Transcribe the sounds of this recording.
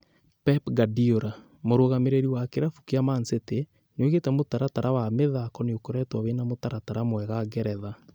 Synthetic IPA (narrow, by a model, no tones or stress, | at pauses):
pɛpɡadioɾa | moɾoɣameɾeɾiwakeɾafu̥keamansete | neoɣetɛmotaɾataɾʔawameðakɔneokoɾɛtwawenamotaɾataɾamwɛɣaɡɛɾɛða